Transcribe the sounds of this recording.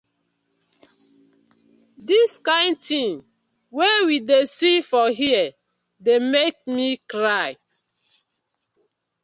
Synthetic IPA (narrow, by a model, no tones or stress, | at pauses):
diskãɪ̃ntʰĩŋ | wewidesifɔɦiɛ | demek̚mikɹaɪ